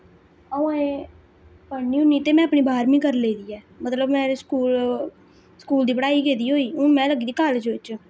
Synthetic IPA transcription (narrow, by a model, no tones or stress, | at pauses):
ə̃ẽː | pənĩːʊnːiːt̪eːmɛ̃ːəpɳiːbʱaːɾmĩːkəɾleːd̪iːɛː | mət̪ləbmɛ̃ːskuːl | skuːld̪iːbəɽaːiːɡeːd̪iːɦoːiːʊmɛ̃ːləɡiːd̪iːkaːlːd͡ʒoɪt͡ʃ